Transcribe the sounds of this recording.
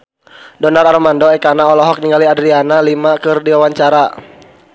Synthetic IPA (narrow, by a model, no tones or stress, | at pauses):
dɔnararmandɔɛkanaɔlɔɦɔk̚niŋɡaliadɾianalimakɨrdiwawaɲt͡ʃaɾa